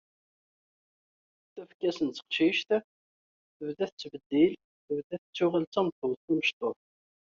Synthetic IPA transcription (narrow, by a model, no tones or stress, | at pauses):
θæfkːæsənt͡sːə̥qʃiʃt̪ | θəvðæθət͡sːbəd̪ːil | θəvd̪æθət͡sːʊʁəlt͡sæmθəwθæməʃt̪ˤoθ